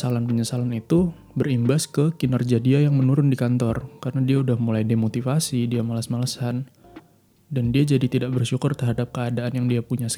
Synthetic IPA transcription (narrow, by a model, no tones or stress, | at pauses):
salanpəɲəsalanit̪u | bərimbaskəkinarɡiadiajaŋmənuɾʊndikant̪ɔrkaɾənadiaudahmulajdemot̪ifasidiamalasmalasan | dandiad͡ʒadit̪idaʔbərʃukʊrt̪ərɦadap̚kəadaanjaŋdiapuɲasə̥